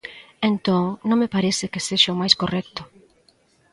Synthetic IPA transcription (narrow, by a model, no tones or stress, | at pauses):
ẽnt̪oŋnõŋmepaɾesɪkeseʃamajskorɛk̚t̪ʊ